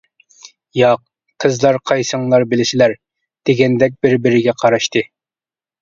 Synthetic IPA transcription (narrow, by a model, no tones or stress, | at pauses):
jɑq̚ | qʰːəzlˠɑɾqʰɑjsəŋlˠɑɾbɪlɪsɪlæɾ | d̪̥eɡʲɛnd̪ɛk̬̚ʲbɪɾbɪɾɪɡʲɛqʰɑɾɑʃt̪ʰɨ